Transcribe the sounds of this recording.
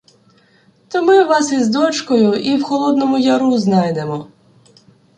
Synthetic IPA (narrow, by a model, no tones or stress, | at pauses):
t̪ɔmɪʋɑsizd̪ɔt͡ʃkɔjʊiwxɔlˠɔd̪nɔmʊjɐɾuznɑjd̪emɔ